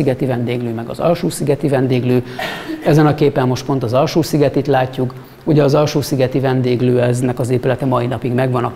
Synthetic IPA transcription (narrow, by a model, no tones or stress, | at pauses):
iɡɛt̪ivɛnd̪eːɡløːmɛɡɒ̰zɒ̰lʃuːsiɡɛt̪ivɛnd̪eːɡløːɛzɛnɒkeːpɛmːo̞ʃt̪̚po̞nt̪ɒzɒlʃuːsiɡɛt̪it̪laːcːuk | uɟɛɒzɒlʃuːsiɡɛt̪ivɛnd̪eːɡløːɛznɛkɒzeːpylɛt̪ɛmɒinɒpiɡmɛɡʋɒnɒ